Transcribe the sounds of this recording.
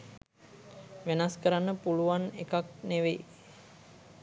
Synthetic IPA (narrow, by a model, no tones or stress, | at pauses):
ʋenaskəɾanːəpuluʋanekak̚neʋe